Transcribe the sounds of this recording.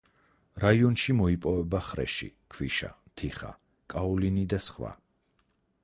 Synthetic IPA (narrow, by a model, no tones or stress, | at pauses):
ɾaiɔnʃimɔipʼɔvɛbaχɾɛ̰ʃḭkʰvḭʃa̰ | t̪ʰiχa̰ | kʼaɔlinid̪asχwa̰